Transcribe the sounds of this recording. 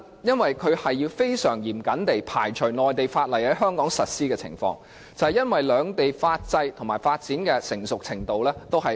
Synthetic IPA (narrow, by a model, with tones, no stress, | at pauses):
jɐ˥nwɐ˨jkʰɵ˨˧ɥhɐ˨jːiː˧wfe˥jsœː˨˩ŋjiː˨˩mkɐ˨˥nt̪e˨jpʰa̰ː˨˩jt͡ʃʰɵ˨˩ŋɔː˨jt̪e˨jfaː˧t̚lɐ˨˩jhɐ˨˥ɦœː˥ŋkɔː˨˥ŋsɐ˨t̚siː˥kɛː˧t͡sʰɪ̰˨˩ŋfɔ̰ː˧ŋ | t͡sɐ˨whɛ˨jɐ˥nwɐ˨jlœː˨˧ŋt̪e˨jfaː˧t̚t͡sɐ˧jt̪ʰŋmaː˨˩jfaː˧t̚t͡siː˨˥nkɛː˧sɪ˨˩ŋsʊ˨k̚t͡sʰɪ˨˩ŋt̪o˨wlɛː˥t̪o˥wɦɐ˨